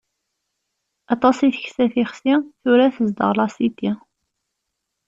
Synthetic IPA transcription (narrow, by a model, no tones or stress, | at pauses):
ɑt̪ˤɑsiθəçsæθiχsiθʊɾæθəzd̪ə̰ʁlɑsit̪ːi